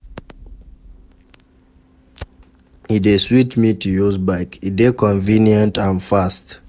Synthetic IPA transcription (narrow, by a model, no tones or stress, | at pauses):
ideswitmitujuzbaɪkidekɔ̃nvĩnjə̃ntãnfast